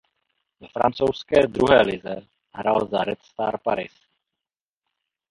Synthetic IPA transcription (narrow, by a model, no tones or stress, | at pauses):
vɛfɾa̰nt͡sowskɛːd̪ɾuɦɛːlɪzɛ | ɦɾalzaɾɛt̪st̪aːɾpaɾɪs